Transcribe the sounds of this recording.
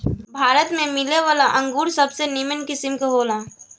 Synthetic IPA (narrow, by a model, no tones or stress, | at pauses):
bʱaːɾət̪mẽmɪleʋaːlaʔə̃ŋɡuːɾsəbsenimənkɪsɪmkoɦoːlãː